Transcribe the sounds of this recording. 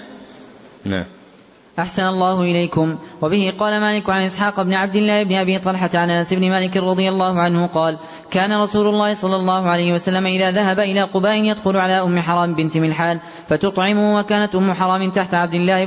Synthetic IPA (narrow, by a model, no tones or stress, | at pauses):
n̰ | ʔaħsanalˤːɑːhʊʔɪlajkʊmwabɪhɪqɑːlamaːlɪkʊʕanʔɪsˤħɑːqbnɪʕab̚d̪ɪlːaːhɪbnɪʔabiːt̪ˤɑlħat̪ʕanʔanasɪbnɪmaːlɪkɾˤɑd̪ˤɨjalˤːɑːhʊʕanhʊqɑːl | kaːnaɾˤɑsuːlʊlˤːɑːhɪsˤɑlːɑlˤːɑːhʊʕalajhɪwasalːamaʔɪðaːðaɦabaʔɪlaːqʊbaːʔɪnjad̪xʊlʊʕalaːʔʊmːɪħɑɾˤɑːmbɪnt̪ɪmɪlħaːl | fat̪ʊt̪ˤʕɪmʊwakaːnat̪ʔʊmːʊħɑɾˤɑːmɪnt̪aħt̪aʕab̚d̪ɪlːaːhɪ